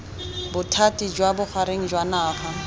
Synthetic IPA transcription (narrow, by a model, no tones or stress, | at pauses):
bʊtʰatid͡ʒwabʊχʰaɾeŋ̩d͡ʒwanaːχa